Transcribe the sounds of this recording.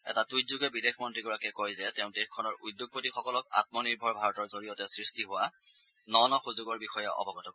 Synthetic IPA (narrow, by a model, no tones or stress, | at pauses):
ɛ̰tatujzuɡɛbidexʰmɔntɹiɡɔɹakɛkojzɛtɛʊ̃ndexkʰɔnɔɹudjʊɡ̚potixɔkɔlɔka̰t̚mɔniɹbʱɔɹbʱaɹɔtɔɹzoɹijɔtɛsɹistiɦʊwa | nɔnɔxuzuɡɔɹbixɔjɔʔɔ̰bʱɔɡɔtɔbɔ